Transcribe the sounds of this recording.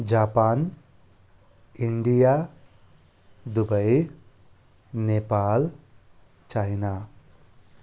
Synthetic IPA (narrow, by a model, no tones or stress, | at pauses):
d͡ʒaːpaːn | iɳɖija | d̪ubɐj | neːpaːl | t͡ʃajna